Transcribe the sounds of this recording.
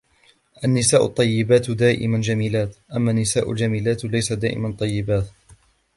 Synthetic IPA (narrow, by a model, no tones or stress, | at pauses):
ʔanːɪsaːʔʊ̰t̪ˤːɑjːɪbaːt̪d̪aːʔɪ̰mand͡ʒamiːlaːt̪ʔamːaːnːɪsaːʔʊ̰ld͡ʒamiːlaːt̪lajsad̪a̰ːʔɪ̰mant̪ˤɑjːɪbaːt̪